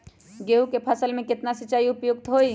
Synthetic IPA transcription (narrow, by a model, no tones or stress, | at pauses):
ɡeukepʰəsəlmẽkɪt̪nasət͡ʃaːiʊpjʊk̚t̪ɦoi